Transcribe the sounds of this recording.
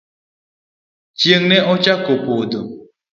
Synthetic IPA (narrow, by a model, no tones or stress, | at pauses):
t͡ʃjeŋnɛʔɔt͡ʃakopod̪o